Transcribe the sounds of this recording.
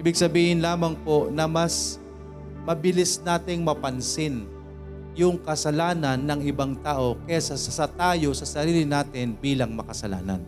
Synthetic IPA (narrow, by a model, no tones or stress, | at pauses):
ʔiːbɪɡ̚sɐbiːhɪnlaːmɐŋpo̞ʔnɐmɐs | mɐbɪlɪsnaːt̪ɪŋmɐpɐnsɪn | jʊŋkɐsɐlaːnɐnːɐŋʔɪbaŋt̪aːʔo̞kɐjasɐsɐsɐt̪aːjo̞sɐsɐɾiːlɪnaːt̪ɪnbiːlɐŋmɐkɐsɐla̰ːnɐ̰n